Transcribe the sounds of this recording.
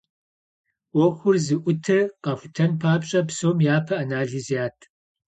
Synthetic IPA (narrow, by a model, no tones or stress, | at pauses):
wɔxʷʊrzɨʔʷʊtʰɐqɐxʷʊtʰɐnpʰaːpɕʼɐpsoːmjaːpʰɐʔanaːɮizijaːtʰ